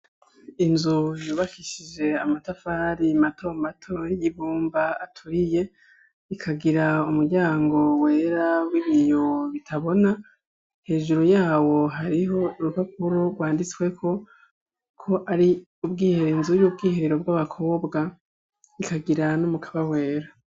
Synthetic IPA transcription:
inzujuːβakiʃid͡ʒe̞amatafaɾimato̞ːmbatʰo̞jiβuːmbaatʰuɾije̞ | ikʰaɡiɾaumuɾɟaːŋɡo̞we̞ːɾawiβijoβitʰaβo̞na | he̞ːʒuɾojaːwo̞ɦaɾiɦo̞ɾukak̚uɾoɾɡwaːndit͡swe̞kʰo̞ | kʰo̞ʔaɾi | ubɡiːheɾinzujuːb̚ɡiːheɾeɾo̞bɡwaβakʰo̞ːbɡa | ikaɡiɾanumukʰaβawe̞ːɾa

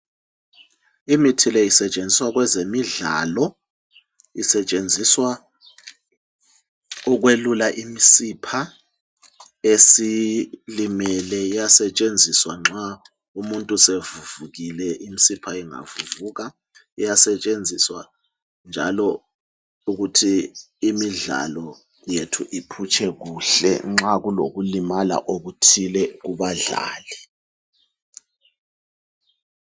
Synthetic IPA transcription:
imitʰilɛisɛt͡ʃʼend͡zʱiswaɣ̬wɛzemiɮa̰lɔ | isɛt͡ʃʼend͡zʱiswa | ɔk̬welulaʔimisipʰa | esilimɛlɛijasɛt͡ʃʼend͡zʱiswaŋ͡ǁʱa | umuntʼusevuvuɣilɛʔim̩sipʰaiŋa̰vuvuːɣa | ijasɛt͡ʃʼend͡zʱiswa | nd͡ʒʱa̰lɔ | uɣutʰiː | miɮa̰lɔ | jetʰuʔipʰut͡ʃʰʼɛɣuːɬɛ̰ŋ͡ǁaɣulo̰ɣulimala̰ʔoɣutʰilɛɣuβaɮa̰ːli

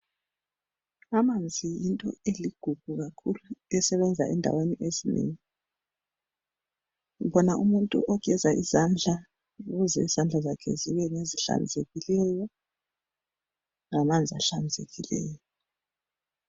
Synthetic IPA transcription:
amand͡zʱijintʼɔ̰eliɡ̥ʱuɡ̥ʱuɣakʰuluɛsɛβɛnd͡zʱa̰ɛndʱa̰weniʔezinḛːŋi | βɔnaʔumuntʼṵʔɔkɛzaʔizand͡ɮʱa | uɣuzɛ̰iz̥and͡ɮʱazakʰɛ̰ziβɛŋeziɬa̰nd͡zʱeɣilɛjɔ | ŋamand͡zʱiaɬand͡zʱḛɣilɛːjɔɔ

